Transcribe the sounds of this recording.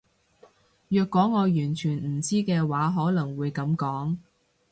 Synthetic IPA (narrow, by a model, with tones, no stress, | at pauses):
jœː˧kːwɔː˨˥ŋːɔː˨˧jyː˨˩nt͡ʃʰyː˨˩nm̩˨˩t͡siː˥kɛː˧waː˨˥ɦɔː˨˥lɐ˨˩ŋwuː˨˧jkɐ˨˧˥mkɔː˨˥ŋ